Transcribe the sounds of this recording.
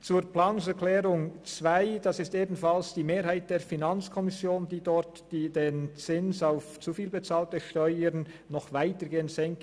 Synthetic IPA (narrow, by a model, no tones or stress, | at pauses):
t͡suːɾplaːnsɛɾkʰlɛːɾʊŋt͡svaɪd̥asɪsteːbn̩falsd̥iːmeːɾhaɪt̚d̥eːɾfinant͡skʰɔmɪsjoːnd̥iːdɔɾtd̥iːdeːnt͡sɪnsaʊft͡sufiːlbet͡saːltəʃtœʏəɾn | nɔχvaɪtəɡeːəntsɛŋk